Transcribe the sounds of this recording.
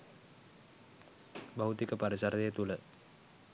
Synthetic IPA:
baɦut̪ikəpaɾəsaɾet̪uləʔ

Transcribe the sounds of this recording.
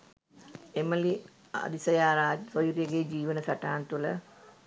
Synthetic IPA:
eməli | a̰d̪isɐjaːɾaːd͡ʒsojuɾjəɡed͡ʒiːʋənəsɐʈaːnt̪ulə

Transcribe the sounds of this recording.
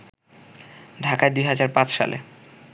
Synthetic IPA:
ɖʱakaed̪uijɦad͡ʑaɾpat͡ɕʃa̰lḛ

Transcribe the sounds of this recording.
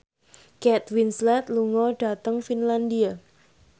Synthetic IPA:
kɛt̪winslɛt̪luŋɔɖ̥a̤t̪əŋfinlandia

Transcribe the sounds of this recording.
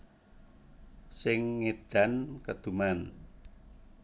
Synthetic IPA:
sɪŋːed̪̥a̤nkəd̪̥ṳman

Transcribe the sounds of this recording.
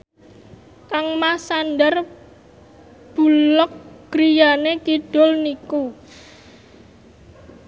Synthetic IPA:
kaŋmasandər | b̥ṳlɔk̚ɡ̥ɾijanekiɖ̥ʊ̤lniku

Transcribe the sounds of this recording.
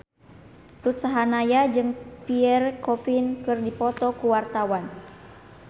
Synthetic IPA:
rut̪saɦanajad͡ʒɨŋpiɛrkɔpinkɨrdipɔt̪ɔkuwart̪awan

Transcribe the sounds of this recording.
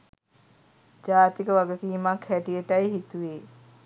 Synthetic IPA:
d͡ʒaːt̪ikəʋaɡəkiːmakʰhɛʈijeʈɐjɦit̪uʋeː

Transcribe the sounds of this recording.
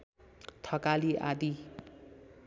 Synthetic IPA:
t̪ʰʌkaliʔa̰d̪i

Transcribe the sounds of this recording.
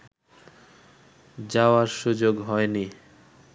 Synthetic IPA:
d͡ʑaoaɾʃud͡ʑoɡɦɔeni

